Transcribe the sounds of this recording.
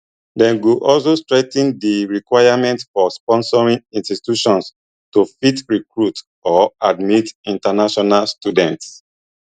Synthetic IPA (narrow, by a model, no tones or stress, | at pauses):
dɛ̃nɡuʔɔls̬ostɹɛtĩndiɹikwajamɛ̃ntfɔspɔ̃nsɔɹĩŋĩnstitjuʃɔ̃ns | tufitɹikɹut | ɔadmitĩntanaʃɔnalstudɛ̃nts